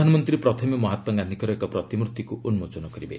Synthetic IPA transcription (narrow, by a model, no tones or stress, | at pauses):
anɔmɔnt̪ɾipɾɔt̪ʰɔmimɔɦat̪wɔɡanikɔɾekɔpɾɔt̪imɾut̪ːikuunmot͡ʃɔnɔkɔɾibe